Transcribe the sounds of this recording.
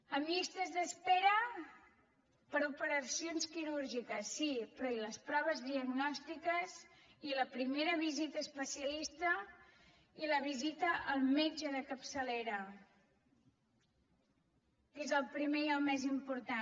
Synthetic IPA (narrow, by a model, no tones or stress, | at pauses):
əmist̪əzðəspeɾə | pəɾupəɾəsionskiɾuɾʒikəsːipɾɔiləspɾɔβ̞əzðiəɡnɔst̪ikəziləpɾimeɾəβizit̪əːspəsiəlist̪ə | iləβizit̪əʔːlˠmed͡ʒəðəkəpsəleɾə | ezəlˠpɾimeiəlˠmɛzimpuɾt̪a